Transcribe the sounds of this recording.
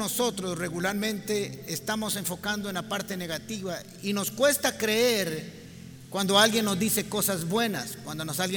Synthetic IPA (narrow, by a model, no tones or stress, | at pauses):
oso̞t̪ɾosre̞ɣulaɾmẽ̞nt̪e̞ːst̪amo̞se̞ɱfo̞kand̪oenapaɾt̪e̞ne̞ɣat̪iβa | ino̞skwe̞st̪akɾeeɾ | kwand̪o̞alɣje̞nːo̞zd̪ise̞ko̞sazbwe̞naskwand̪onosalɣje